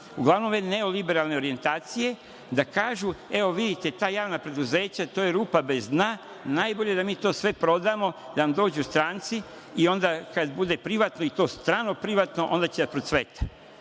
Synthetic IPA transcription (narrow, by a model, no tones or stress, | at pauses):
uɡlˠaʋno̞mʋene̞o̞libeɾaːlˠne̞o̞ɾije̞nt̪aːt̪sije̞ | d̪akaːʒue̞o̞ʋid̪it̪e̞t̪aːjaːʋnapɾe̞d̪uze̞ːt͡ɕat̪oːjeɾuːpabe̞zd̪na | naːjbo̞ʎe̞d̪amiːt̪o̞ːsʋe̞pɾo̞d̪amo̞ | d̪anamd̪o̞ːd͡ʑust̪ɾaːnt̪si | io̞nd̪akad̪bud̪e̞pɾiʋaːt̪no̞it̪o̞ːst̪ɾaːno̞pɾiʋaːt̪no̞ʔo̞nd̪at͡ɕed̪apɾot̪sʋe̞t̪ḁ